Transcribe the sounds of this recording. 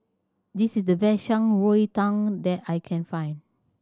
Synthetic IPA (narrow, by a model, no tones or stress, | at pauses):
disisdəbɛʃãŋwoitãŋdɛtajkʰɛ̃nfãj̃n